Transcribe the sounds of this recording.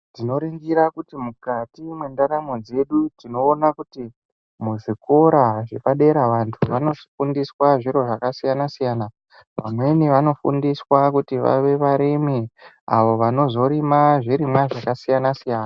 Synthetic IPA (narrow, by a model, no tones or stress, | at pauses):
tino̞ɾiŋɡiɾakutimukatimwendaɾamo̞d͡ze̞ɗutino̞ːnakuti | muʐiko̞ɾaʐe̞paɗe̞ɾaʋantʰuʋano̞ti̥fundiswaʐiɾo̞ʐakasijanasijana | ʋa̰mwe̞niʋano̞fṵndiswakutiʋa̰ʋe̞ʋaɾimi | a̰ʋo̞ʋano̞zo̞ɾimaʐiɾimwaʐakasijanasijaːna